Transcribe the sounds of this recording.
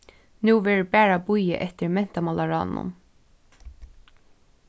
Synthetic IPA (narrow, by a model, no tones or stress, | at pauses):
nuːʋɛːɹʊbɛːɹabujɪ̰ʔɛht̪ɪɹmɛn̥t̪amalaɹa̰ːnːʊ̰n